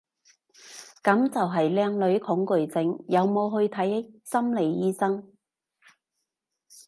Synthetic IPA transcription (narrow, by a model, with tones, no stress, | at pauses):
kɐ˨˥mt͡sɐ˨wɦɐ˨jlɛː˧ŋlɵ˨˥ɥkʰʊ˨˥ŋkɵ˨˩ɥt͡sɪ˧ŋjɐ˨˧wmo˨˧wɦɵ˧ɥt̪ʰɐ˨˥jsɐ˥mle˨jːiː˥sɐ˥ŋ